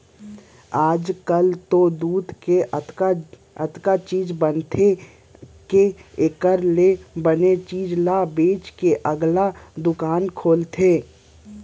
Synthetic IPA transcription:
aːd͡ʒkəlt̪od̪uːd̪kea | ə̰t̪kat͡ʃiːd͡ʒbənt̪ʰe | keekəɾlebənet͡ʃiːd͡ʒlabeːt͡ʃkeʔəɡlad̪ʊkaːnkʰoːlt̪ʰeː

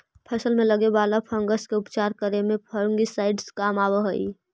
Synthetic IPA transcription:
pʰəsəlmẽləɡebaːlapʰəŋɡəskeʊpt͡ʃaːɾkəɾemẽpʰəɾuŋɡisaɪɖskaːmawəɦəi

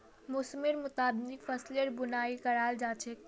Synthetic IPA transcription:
mʊsmiɾmʊt̪ad̪nikfʰəsleɾbunaikəɾald͡ʒat͡ʃʰɛk

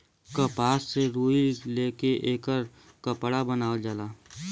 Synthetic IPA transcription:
kəpaːsːeɾuːileːkeʔeːkəɾ | kəpɽabənaːəld͡ʒalaː

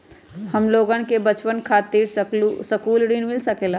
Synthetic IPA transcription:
həmloːɡə̃nkebət͡ʃpənkʰaːt̪iːɾssəkuːlɖinmɪlsəkeːla

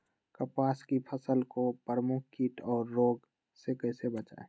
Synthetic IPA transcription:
kəpaːskipʰəsəlkopɾəmʊkʰkiːʈʰɔːɾːoːɡ | sekəɪsebət͡ʃa̰ːe

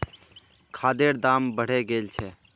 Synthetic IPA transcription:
kʰaːd̪eːɾd̪aːmbəɽ̤eɡeːlt͡ʃʰɛ

